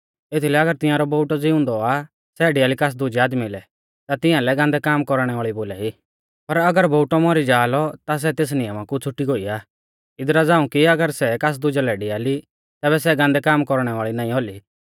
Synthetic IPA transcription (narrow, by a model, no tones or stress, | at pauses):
et̪ʰilɛɐɡəɾt̪ɪ̃jãːɾɔboʊʈɔd͡zɪʊ̃nd̪ɔa | sɛɖiaːlikas̬d̪ʊd͡ʒaːd̪milɛ | t̪at̪ɪ̃jãlɛɡãːnd̪ɛkaːmkɔɾɽ̃ɛʋaːɭiboːlai | pɐɾɐɡəɾboːʈɔmɔɾid͡ʒaːlɔt̪as̬ɛt̪eːs̬nɪjəmakut͡sʰʊʈːiɡoːiaː | ɪd̪ɾad͡zãːũkiɐɡəɾsɛkaːs̬d̪ʊd͡ʒalɛɖiaːli | t̪ɛːβɛsɛɡãnd̪ɛkaːmkɔɾɽ̃ɛʋaːɭinãːĩoli